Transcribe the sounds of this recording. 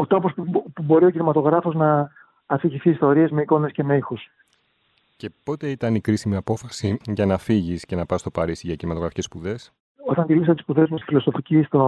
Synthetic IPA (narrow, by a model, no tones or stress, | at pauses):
ot̪ɾo̞pospupubo̞ɾio̞cinimɐt̪o̞ɣɾɐfo̞znɐː | fiʝiθiːst̪o̞ɾie̞zme̞iko̞ne̞sce̞neixus | ce̞po̞t̪e̞it̪ɐnikɾisimiɐpo̞fɐsiʝɐnɐfiʝisce̞nɐpɐst̪o̞pɐɾisiʝɐcinimɐt̪o̞ɣɾɐfi̥ce̞spuðe̞s | o̞t̪ɐnt̪ilisɐt̪et̪ispuðe̞zmust̪i̥filo̞so̞ficist̪o